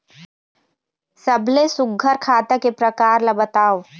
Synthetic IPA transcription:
sɐblesʊɡʱːəɾkʰaːt̪akepɾɐkaːɾlabət̪aːo

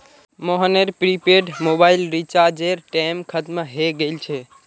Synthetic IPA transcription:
moɦəneɾpɾipeɖmobailɾit͡ʃaɾd͡ʒeɾʈɛmkʰət̪məɦeɡelt͡ʃʰɛ

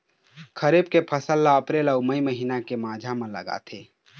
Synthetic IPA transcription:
kʰəɾebkepʰəsəlːaəpɾeːlɔuməiməɦiːnakemãːd͡ʒʱamə̃lə̰ɡa̰t̪ʰeː

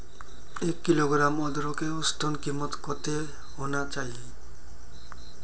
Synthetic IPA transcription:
ekːiloɡɾamɔd̪ɔɾɔkeust̪ʰɔnkimɔt̪kɔt̪e | ɦonat͡ʃaj

